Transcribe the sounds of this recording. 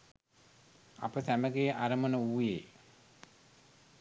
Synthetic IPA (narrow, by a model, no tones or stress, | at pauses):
a̰pəsæməɡejʔaɾəmənəuːje